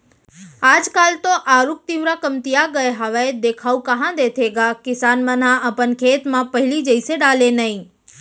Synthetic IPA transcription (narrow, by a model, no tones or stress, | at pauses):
aːd͡ʒkaːlt̪oʔaːɾuk̚t̪iʋɾakəmt̪ijaɡəeɦəʋaed̪ekʰaũkəɦãd̪et̪ʰeɡakɪsanmənãʔəpənkʰet̪mãpəɦɪlid͡ʒəiseɖaːlenəɦĩ